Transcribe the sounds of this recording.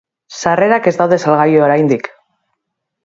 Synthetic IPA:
sare̞ɾake̞zd̪awðe̞salɣ̞ajoɾajnd̪ik

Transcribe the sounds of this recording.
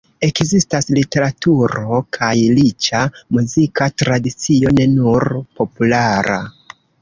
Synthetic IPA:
e̞kzistaslite̞ɾatuɾo̞kʰajlit͡ʃamuzikatɾadit͡sio̞ne̞nuɾpo̞pulaɾa̰

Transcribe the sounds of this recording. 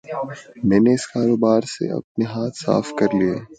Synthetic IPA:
mɛ̃ːneɪskaːɾoːbaːɾsḛɐ̰p̚neɦaːt̪ʰsa̰ːfkɐɾlieː

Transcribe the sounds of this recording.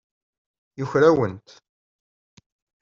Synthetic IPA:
juçɾæwənt̪

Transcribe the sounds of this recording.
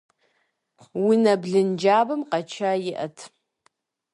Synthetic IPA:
winɐbɮɨnd͡ʒaːbɐmqɐt͡ʃʰajɪʔɐ̰tʰ

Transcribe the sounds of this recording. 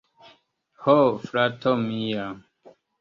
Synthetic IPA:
hofɾatʰɔmija

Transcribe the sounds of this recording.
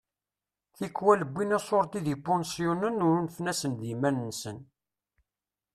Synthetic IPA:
θikːwæləbʷːinæsˤoɾˤt̪iðipːɔnsjunənʊɾunəfnæsənðimænːsən

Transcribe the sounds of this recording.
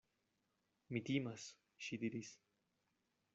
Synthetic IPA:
mit̪imas | ʃid̪iɾis

